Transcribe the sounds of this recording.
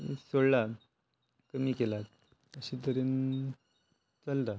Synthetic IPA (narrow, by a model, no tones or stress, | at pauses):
soɽla | kəmiːkelat̪̚ | əɕit̪əɾen | t͡səlt̪a